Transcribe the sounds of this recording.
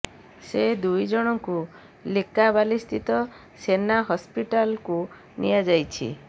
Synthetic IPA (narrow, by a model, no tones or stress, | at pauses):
sed̪ujd͡ʒɔɽ̃ɔŋku | likabalist̪ʰit̪ɔ | senaɦɔspiʈalku | nḭjad͡ʒajt͡ʃʰḭ